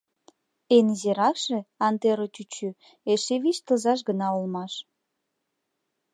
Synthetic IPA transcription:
enzeɾɑkʃĕɑnt̪eɾotʲyt͡ɕy | eʃeβit͡ɕt̪əzɑʃ̬ɡənɑolmɑʃ

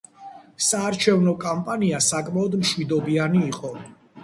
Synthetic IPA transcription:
saːɾt͡ʃʰɛvnɔkʼampʼaniasakʼmaɔd̪mʃwid̪ɔbianiːqʼɔ

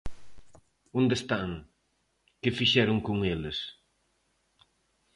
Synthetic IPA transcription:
õnd̪est̪aŋ | kɪfiʃɛɾʊŋkoŋelɪs

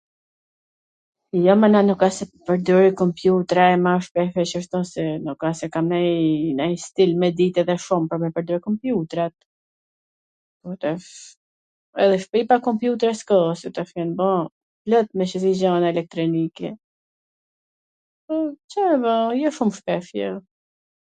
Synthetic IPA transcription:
jɔmananukasɛpəɾd̪ɔɾikɔmpjut̪ɾaɛmaʃpɛfɛt͡ʃəʃt̪ɔnsɛnukasɛkamnajnajst̪ilmɛd̪it̪ɛðɛʃumpəɾmɛpəɾd̪ɔɾkɔmpjut̪ɾat̪̚ | ut̪ɛf | ɛ̰ðɛʃpipakɔmpjut̪ɾɛskɔsut̪ɛfɛnbɔ | lɔt̪̚mɛʃəzid͡ʑanaɛlɛk̚t̪ɾɔnikɛ | pɔt͡ʃabɔjɔʃumʃpɛfjɛ

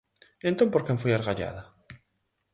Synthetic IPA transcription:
ẽnt̪ompoɾkemfujaɾɣaʎa̰ða

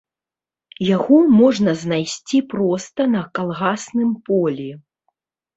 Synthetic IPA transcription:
jaɣɔmɔʐnɐznajsʲt͡sʲipɾɔst̪ɐnɐkalˠɣasnɨmpɔlʲi

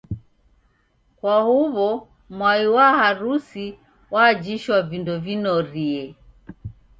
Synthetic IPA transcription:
kwahuβɔ | mwaiwahaɾusi | waːd͡ʒiʃwavindɔvinɔɾiɛ

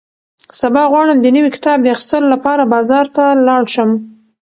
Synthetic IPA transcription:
sabɑɣwɑɽəmd̪ənəwikɪ̥t̪ɑb̚d̪əaxɪ̥st̪əlolapɑɾabɑzɑɾt̪alɑɽʃəm

